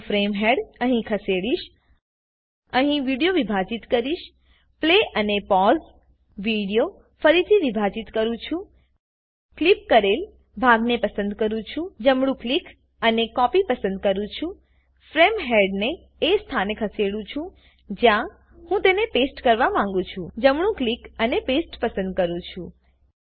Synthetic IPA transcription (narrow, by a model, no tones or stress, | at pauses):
fɾemɦeɽəɦĩkʰəseɽiʃ | əɦĩʋiɽijoʋibʱad͡ʒit̪kəɾiʃ | pleʔənepɔz | ʋiɽijo | fəɾit̪ʰiʋibʱad͡ʒit̪kəɾũt͡ʃʰũ | klip̚kəɾel | bʱaɡnepəsənd̪kəɾũt͡ʃʰũd͡ʒəmɽũklik | ənekɔpipəsənd̪̚kəɾũt͡ʃʰũ | fɾemɦeɖneː | st̪ʰanekʰəseɽũt͡ʃʰũ | d͡ʒjã | hũt̪enepesʈkəɾʋamãŋ̆ɡũt͡ʃʰũd͡ʒəmɽũklikənepesʈpəsə̃nd̪̚kəɾũt͡ʃʰũ